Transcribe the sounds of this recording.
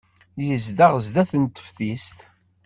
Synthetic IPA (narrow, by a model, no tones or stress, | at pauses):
jəzd̪aʁəzd̪æθənt̪ːə̥fθist̪